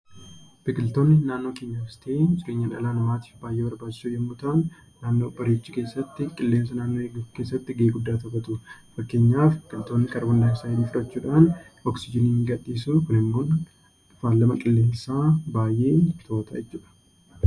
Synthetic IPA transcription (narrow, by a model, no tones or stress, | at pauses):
b̥ɪkʼɪlt̪o̞ːnːɪnaːnːo̞ːke̞ːɲːaːfɪst̪eːd͡ʒʼɪɾeːɲːɐnɐ̰laːnɐmaːt̪i̥fbaːjʔeːbɐɾbaːd͡ʒɪ̥suːjɛmːuːt̪aːnː | aːnːoːbɐɾeːt͡ʃːiːke̞ːsːɐt̪ːɪkʼɪlːe̞ːmsɐnaːnːo̞ːeɡke̞ːsːɐt̪ːɪɡe̞ːɡʊd̪ːaːt̪ɐfɐt̪ʊfɐkːe̞ːɲːaːfbɪkʼɪlt̪o̞ːnːɪkɐɾɐbɐnlaːɪsaːjɪliːfɪɾɐt͡ʃːuːᶑaːnɔksɪd͡ʒɪniːŋɡɐᶑːiːsuːkʊnɪmːoːn | ʊfaːlɐmɐkʼɪlːe̞ːmsaːbaːjʔe̞ːfɪ̥t̪ʰo̞ːt̪ʰɐɛt͡ʃːuːᶑɐ̥